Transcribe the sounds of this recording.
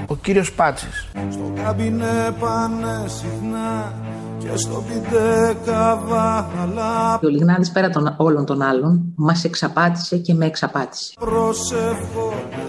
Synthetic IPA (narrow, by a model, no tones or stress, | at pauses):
ociɾio̞spɐt͡sisst̪o̰kɐbinepɐnesixnɐ | cḛst̪o̞pid̪ekɐvɐɐlao̞liɣnɐðispe̞ɾɐt̪ono̞lo̞nt̪o̞nɐlo̞nmɐse̞ksɐpɐt̪i̥se̞ce̞meːksɐpɐt̪i̥se̥pɾosefo